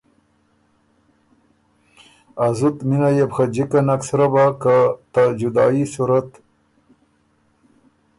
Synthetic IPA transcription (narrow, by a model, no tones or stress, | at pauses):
azut̪minajebxad͡ʒikanaksɾabakat̪ad͡ʒud̪ɑ̰ːisuɾat̪